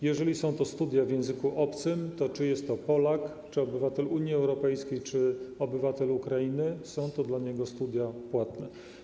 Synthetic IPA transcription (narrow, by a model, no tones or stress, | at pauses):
jɛʐɛlʲisɔ̃w̃t̪ɔst̪ud̪ʲjavʲjɛ̃w̃zɘkuʔɔpt̪sɘmt̪ɔt͡ʂɘjɛst̪ːɔpɔlak | t͡ʂɘɔbɘvat̪ɛluɲjiɛwɾɔpɛjskʲejt͡ʂɘɔbɘvat̪ɛlukɾainɘsɔ̃w̃t̪ɔd̪laɲɛɡɔst̪ud̪ʲjapwat̪nɛ